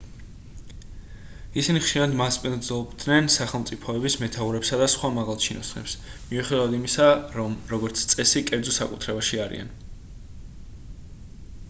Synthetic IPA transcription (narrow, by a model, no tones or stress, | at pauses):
isiniχʃiɾad̪maspʼind̪zlˠɔbd̪nɛnsaχɛlˠmt̪sʼipʰɔɛbismɛt̪ʰauɾɛpsad̪asχwamaʁalˠt͡ʃʰinɔ̰snɛ̰psmiuχɛd̪avad̪imisaɾɔmɾɔɡɔɾt̪sʰt̪sʼɛsikʼɛɾd̪zɔsakʼut̪ʰɾɛbaʃiaɾḭa̰n